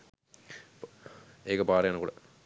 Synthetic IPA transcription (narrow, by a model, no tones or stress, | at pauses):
eːkɐpaːɾɐjaːnɐkuːɽɐ